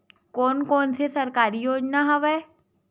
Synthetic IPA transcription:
kɔːnkɔːnsesəɾkaːɾijoːd͡ʒnaɦəʋɛː

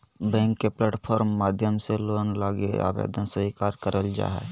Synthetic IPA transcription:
bɛ̃ːŋkːeplɛːʈpʰɔːɾmːaːd̪ʱjəmselonlaːɡḛa̰bḛd̪ənsəikaɾkəɾəld͡ʒa̰ːɦɛ̰

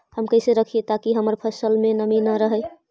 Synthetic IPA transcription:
həmkəjseɾəkʰijet̪akiɦəməɾpʰəsəlmenəminəɾəɦəj

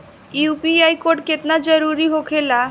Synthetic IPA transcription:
upiajkoɖ̚ket̪nad͡ʒəɾuɾiɦokʰela

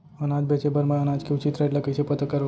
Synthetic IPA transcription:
ənad͡ʒbet͡ʃebəɾmãənad͡ʒkʰiut͡ʃit̪ɾaɖləkət͡ʃʰepət̪əkːəɾʋ

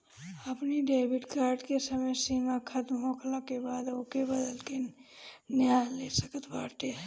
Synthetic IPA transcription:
əpniɖeɪbiʈkaːɾɖkesəməjsimakʰət̪mɦokʰləkebad̪okebəd̪əlke | njalesəkət̪ʰbaʈ̪e

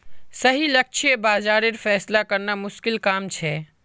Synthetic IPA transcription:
səɦilək̚t͡ʃʰebaːd͡ʒaːɾeɾfʰɛːslakəɾnamʊʃkɪlkaːmt͡ʃʰɛ

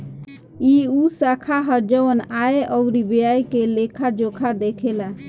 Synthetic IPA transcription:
iusakʰaɦəɾd͡ʒəʋənaeʔɔuɾibjajkelekʰad͡ʒokʰad̪ekʰela

